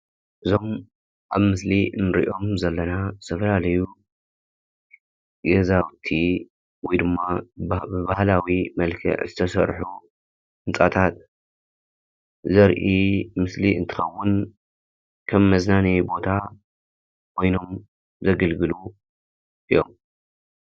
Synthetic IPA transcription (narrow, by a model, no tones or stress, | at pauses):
ʔɨzo̞m | ʔaβmɨslinɨɾḭʔo̞mzɐlːɐnazɨ̥t̪ʰɐfɐlalɐju | ɡɐzawt̪ʰi | wɔjd̪ɨmːabɨbahlawimɐlkʰɐ̰ʕzɨt̪ʰɐsɐ̰ɾħu | hɨnt͡sʼa̰t̪ʰat̪ | zɐɾʔimɨsliɨnt̪ʰɨ̥xɐwːʊn | kʰɐmːɐznanibo̞t̪ʰa | kʰo̞jno̞m | zɐɡɐlɡɨlu | ʔɨjo̞m